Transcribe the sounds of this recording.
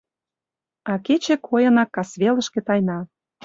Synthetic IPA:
ɑket͡ɕĕkʰojɤ̆nɑkːɑsβelə̆ʃkĕt̪ɑjnɑ

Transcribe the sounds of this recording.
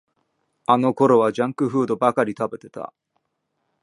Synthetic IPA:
ano̞ko̞ɾo̞βad͡ʑãŋkɯ̟ɸɯ̟ːd̪o̞bakaɾʲit̪abe̞t̪e̞t̪a̰

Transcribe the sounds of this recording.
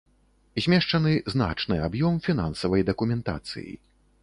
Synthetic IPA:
zʲmʲɛʂt͡ʂɐnɨzna̰t͡ʂnɨabjɔmfʲin̪ansɐvɐjd̪ɐkumʲɛnt̪a̰t̪sɨ̰jḭ

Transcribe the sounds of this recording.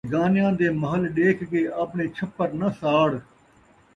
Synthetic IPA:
ɡaːnɪjãːd̪eːməɦəlɗeːkɡeːʔəpneːt͡ʃʰəpːəɾnəsaːɽ

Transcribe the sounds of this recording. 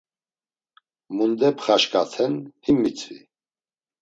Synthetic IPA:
mund̪ɛpʰχaʃkʼat̪ʰɛnhimːit͡sʰʼvḭ

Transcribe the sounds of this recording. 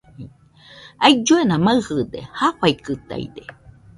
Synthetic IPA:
aid͡ʒuenamaɨhɨd̪ḛhaɸaikɨt̪a̰ḭd̪e

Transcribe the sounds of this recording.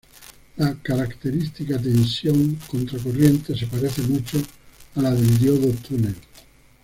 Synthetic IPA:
lakaɾakt̪e̞ɾist̪ikat̪ensjoŋkont̪ɾakorje̞nt̪e̞se̞paɾeθemut͡ʃoalaðeld̪joðot̪unel

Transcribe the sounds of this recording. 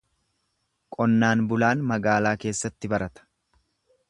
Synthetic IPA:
kʼɔnːaːnbʊlaːnmɐɡaːlaːke̞ːsːɐt̪ːɪbɐɾɐt̪ɐ̥

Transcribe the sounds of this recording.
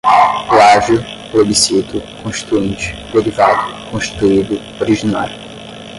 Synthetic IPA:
laʒjʊ | plobisit̪ʊkõʃt͡ʃi̥t̪uẽnt͡ʃɪ̥d̪eɾivad̪ʊkõʃt͡ʃi̥t̪uid̪ʊ | oɾiʒinaɾʊ

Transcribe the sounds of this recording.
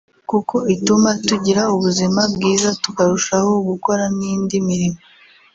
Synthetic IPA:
kukʰo̞itumatuɟiɾauβuzimabɡiːzatu̥kaɾuʃaho̞ɡuko̞ɾaniːndimiɾimo

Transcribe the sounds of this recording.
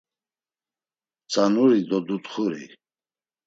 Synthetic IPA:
t͡sʼanuɾid̪ɔd̪ut̪χuɾḭ

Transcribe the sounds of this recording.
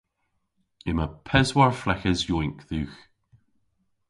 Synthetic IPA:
ɪməpʰɛzwaɹflɛkəzjɔjŋkðʉːx

